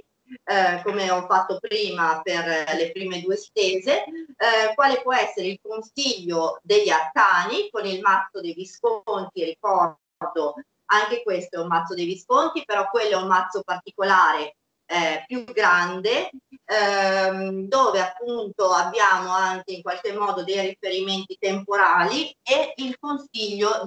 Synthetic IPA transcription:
komeɔfːat̪ːopɾiːmaperlepɾiːmed̪uːest̪eːze | kwaːlepwɔɛsːeɾeilkonsiʎːod̪eʎːalkaːnikonilmat̪sːod̪ejviskont̪iɾikɔ | rd̪o | aŋk̟ekwest̪oɛummat̪sːod̪ejviskont̪ipeɾɔkːwelːoɛummat̪sːopart̪ikolaːɾe | pjuɡɾand̪e | d̪oːveapːunt̪oabːjaːmoaŋk̟eiŋkwalkemːɔːd̪od̪ejrifeɾiment̪it̪empoɾaːlieilkonsiʎːo

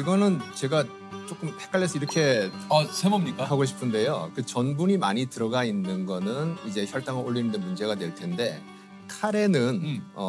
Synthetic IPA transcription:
iɡʌnɯnt͡ɕe̞ɡa | t͡ɕ͈ok͈ɯmpʰek͈aʎːes͈ʰʌiɾʌkʰe̞sʰebomɲik͈ahaɡoɕʰi̥pʰɯnde̞jokɯt͡ɕʌnbuɲimaɲitɯɾʌɡainːɯnɡʌnɯnid͡ʑe̞çjʌɭt͈aŋɯɭoɭːiɾɯndɯnmund͡ʑe̞ɡadwe̞ɭtʰe̞nde̞ | kʰaɾe̞nɯnʌ

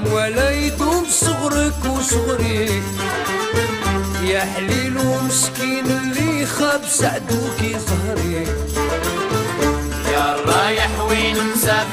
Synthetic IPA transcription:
walajt̪umsˤɨɣɾəkwisˤʊɣɾi | jaħlilumɪʃkiːnɪlːixabsaʕd̪ukisˤɦɾi | jabajaħwinsa

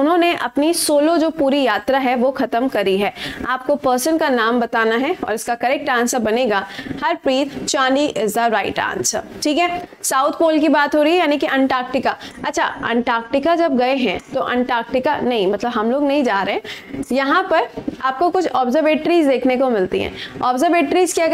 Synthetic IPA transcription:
ʊnɦõːneʔɐpnisoːlod͡ʒoːpuːɾijaːt̪ɾaɦɛʋoxɐt̪əmkɐɾiɦɛːaːp̚kopəːɾsənkanaːmbɐt̪aːnaɦɛɔ̰ːɾɪskakɐɾɛk̚ʈãːnsəbɐneːɡahɐɾpɾiːt̪t͡ʃãːniʔɪzaɾaːɪ̰ʈã̰ːnsə̰ʈʰiːkɦɛsaːʊt̪ʰpoːlkibaːt̪ɦoːɾəiːɦɛjaːnikiʔɛ̃ɳʈaːk̚ʈɪkaɐtːʃʰa̰ɛ̰̃ɳʈaːk̚ʈɪkad͡ʒɐb̚ɡɐeɦɛ̰̃t̪oʔɛ̰̃ɳʈaːk̚ʈɪka̰nɐɦĩmɐt̪ləbɦɐmloːɡnɐɦĩd͡ʒaːɾɐɦɛ̃jɐɦãpɐɾaːp̚kokʊt͡ʃʰɔːbzəɾʋeːʈɾiːzd̪eːkʰnekomɪlt̪ḭɦɛ̰̃ːɔːbzəɾʋeːʈɾiːzkiɐɡ

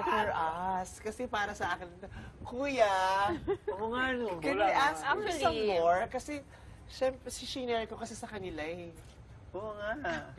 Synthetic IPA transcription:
fɔɹʔɐskɐsɛpaːɾɐsɐʔaːkɪnt̪okuːja | ʔoŋanokɛwiʔassɐmːoɹkɐsɛ | ʃɛmpɾɛsiʃɪnɛɹko̞kɐsɛsɐkɐnɪlaɛ | ʔoŋa

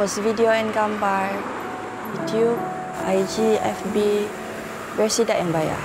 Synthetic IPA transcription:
ɔsvidioɛ̃nkãmba | jutʰjub̚ | ajd͡ʒiɛ̰fbi | vɛsidaʔɛ̃nbaja̰

